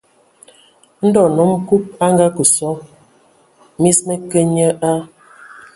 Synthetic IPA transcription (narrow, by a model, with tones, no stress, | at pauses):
n̩˦dɔ˨nɔ˨˦m˦ku˦p̚a˦ŋɡa˦kə˨sɔ˨˦ | mi˦smɛ˦kə˦ɲə˦ʔa˦